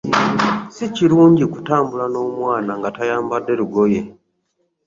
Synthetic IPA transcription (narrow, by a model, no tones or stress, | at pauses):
siciɾuːɲɟikutaːmbulano̞ːmwaːnaŋɡatajaːmbadːe̞ɾuɡo̞je̞